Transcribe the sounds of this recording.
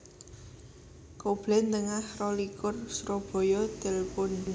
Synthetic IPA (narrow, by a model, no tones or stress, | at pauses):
kob̥lɛnt̪əŋahrɔlikʊrsɾob̥ɔ̤jɔd̪̥ɛ̤lpʊn